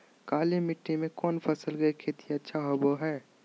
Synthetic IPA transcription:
kaːlemɪʈʰːimẽkɔːnpʰəsəlɡəekʰeːt̪iɐtːʃʰaɦoboɦɛː

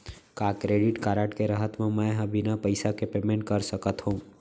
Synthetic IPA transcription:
kaːkɾeːɖɪʈkaːɾəʈkeɾəɦət̪mẽmɛɦɐbɪnapəɪsakepeːmẽɳʈ̚kəɾsəkət̪ɦũː

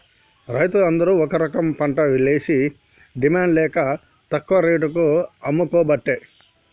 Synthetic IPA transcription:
ɾɐjt̪uɐnd̪ɐɾuɔkɐɾɐkɐmpɐɳʈɐʋileːsi | ɖimaːɳɖlɛːkɐ | t̪ɐkːʋɐɾeːʈ̬ukuɐmːukɔːbɐʈːe

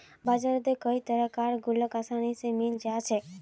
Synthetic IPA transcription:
bad͡ʒaɾəd̪ekəit̪əɾəkaɾɡuləkasaɽ̃isemind͡ʒat͡ʃʰe

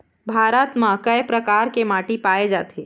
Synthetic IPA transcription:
bʱaːɾət̪mãkəjpɾəkaːɾkemaːʈipaːed͡ʒa̰ːt̪ʰeː

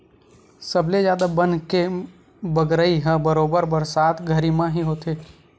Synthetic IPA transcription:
səbled͡ʒjaːd̪abənke | bəɡɾəiɦɛ̃bəɾoːbəɾbəɾsaːt̪ʰɡʱəɾimãɦiɦoːt̪e

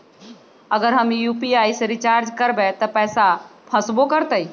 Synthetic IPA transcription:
ɐɡəɾɦɐmjuːpiaːisɾɪt͡ʃaːɾd͡ʒkɐɾbet̪ɐpɛːsapʰɐsbokəɾt̪əi

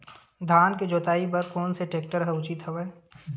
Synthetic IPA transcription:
d̪ʱaːnked͡ʒoːt̪aːipɐɾkɔːnseʈeːk̚ʈəɾɦɛʊt͡ʃit̪ɦɐʋeː

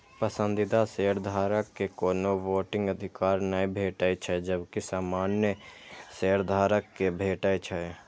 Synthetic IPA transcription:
pəsə̃nd̪ɪd̪aseːɾd̪ʱaːɾəkːekoːnoʋoːʈɪ̃ŋɡəd̪ʱɪkaːɾnaĩbʱeːʈait͡ʃʰɛd͡ʒəbkisaːmaːnjəseːɾd̪ʱaːɾəkːebʱeːʈaːit͡ʃʰɛ

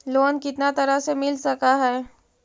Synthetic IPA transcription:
loːnkɪt̪nat̪ɐɾəsemɪlsɐkaɦɛː

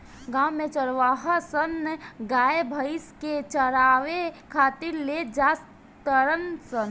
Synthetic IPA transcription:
ɡãːwmẽt͡ʃəɾʋaːɦəsənːɡaːebʱəɪsket͡ʃəɾaːʋekʰaːt̪iɾled͡ʒaːs | t̪əɾənsən

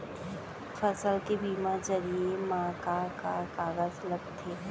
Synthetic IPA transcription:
fɐsəlkebʱiːmad͡ʒɐɾiemãːkakakaːɣəzlɐɡ̚t̪ʰeː

